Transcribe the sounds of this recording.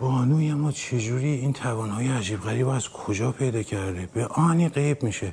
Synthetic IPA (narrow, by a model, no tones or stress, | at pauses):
bɒːnuːjemːɒːt͡ʃʰe̞d͡ʒuːɾiːiːnt̪ʰævɒːnhɒːjeæd͡ʒiːbɣæɾiːbæz̥kʰod͡ʒɒːpʰe̞jd̪ɒːcʰæɾd̪ebeʔɒːniːɢejbmiːʃe